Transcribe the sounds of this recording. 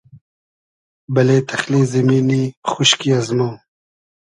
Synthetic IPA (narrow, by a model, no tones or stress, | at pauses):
bɐleːt̪ʰɐxlizɐmiːnixʊʃkiazmoː